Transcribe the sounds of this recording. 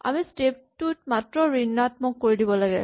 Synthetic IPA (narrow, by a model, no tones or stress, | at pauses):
a̰mistep̚tut̚matɹɔɹinːatmɔkːoɹidibɔlaɡɛ